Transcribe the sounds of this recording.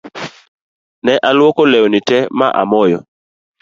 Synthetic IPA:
nɛʔalwɔkɔlɛɔnitɛma̰ʔa̰mɔjɔ

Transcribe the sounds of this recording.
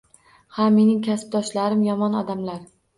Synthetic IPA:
haːe̞nɪŋkʲʰasp̚d̪ɒʃlaɾɪmjɒmɒnɒd̪amlaɾ

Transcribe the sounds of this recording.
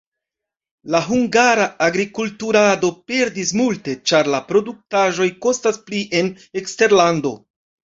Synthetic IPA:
laɦuŋɡaɾaaɡɾikultuɾado̞pe̞ɾdismultet͡ʃaɾlapɾo̞duk̚taʒo̞jko̞staspliʔe̞n | ekste̞ɾlando̞̰

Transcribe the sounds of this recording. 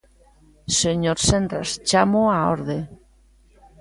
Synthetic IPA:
seɲoɾsend̪ɾa̰st͡ʃamoao̰ɾðe

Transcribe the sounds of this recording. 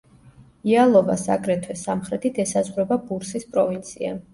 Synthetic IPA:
ialˠɔva̰sakʼɾɛt̪ʰwɛsamχɾɛt̪ʰit̪ʰɛsazʁɾɛbabuɾsispʼɾɔvint̪sʰia̰

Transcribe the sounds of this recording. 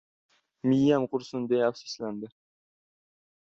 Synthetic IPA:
mijːamqʊɾsʊnd̪ejafsi̥sland̪ɪ

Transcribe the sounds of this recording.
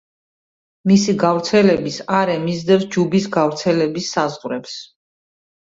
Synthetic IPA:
misiɡavɾt̪sʰɛlɛbisaɾɛmizd̪ɛsd͡ʒubisɡavɾt̪sʰɛlɛbisːazʁɾɛps

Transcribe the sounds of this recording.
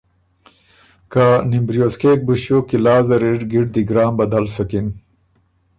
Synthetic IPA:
kanimbɾjoːskeːk̚buɕoːkilaːzɐɾiʈɡiʈ̚d̪iɡɾaːmbɐd̪ɐlsɐkin

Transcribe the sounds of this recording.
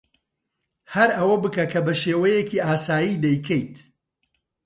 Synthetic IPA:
hɐɾɐwɐbɨkɐkʰɐbɐʃeːwɐjeciːʔaːsaːjid̪ɛjkʰɛjt̪

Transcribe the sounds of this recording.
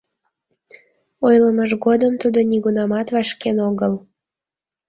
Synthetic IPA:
ojləməʒɣod̪əmt̪ud̪oniɣunɑmɑt̪vɑʃkenoɣəl

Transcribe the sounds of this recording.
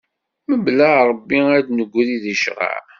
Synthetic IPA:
məblæɾˤəbːiæd̪nəɡʷːðiðəʃʁa̰ʕ

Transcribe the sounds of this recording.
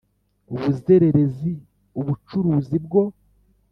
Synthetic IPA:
uβuze̞ɾe̞ɾe̞zi | uβut͡ʃuɾuːzibɡo̞

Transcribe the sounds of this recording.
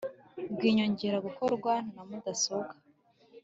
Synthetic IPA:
bɡiːɲoɲɟeɾaɡukoɾuɡwannamudasoɡḁ

